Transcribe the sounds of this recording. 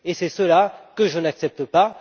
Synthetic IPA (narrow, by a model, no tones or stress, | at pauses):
esɛsəlakəʒənaksɛp̚t̪əpa